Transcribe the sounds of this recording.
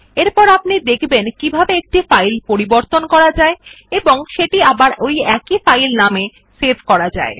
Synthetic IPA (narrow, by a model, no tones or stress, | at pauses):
eɾpɔɾapnid̪ekʰbenkibʱabeek̚ʈifajlpoɾiboɾt̪onkɔɾad͡ʑae | eboŋʃeʈiabaɾojɛkifajlname | sebʱkɔɾad͡ʑa̰e